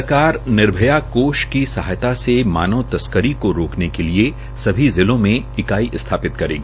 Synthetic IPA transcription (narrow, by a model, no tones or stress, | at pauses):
kaːɾnɪɾbʱəjakoːʃkisɐɦajt̪asema̰ːnəʋt̪ɐskəɾikoɾoːknekelie | sɐbʱizɪlõmẽɪkaːiʔɪst̪ʰaːpɪt̪kɐɾḛ̃ːɡ